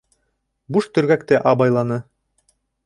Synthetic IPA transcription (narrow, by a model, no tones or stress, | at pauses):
buʃt̪ɵ̆ɾɡækt̪ɘʔɑbɑjlˠɑnɤ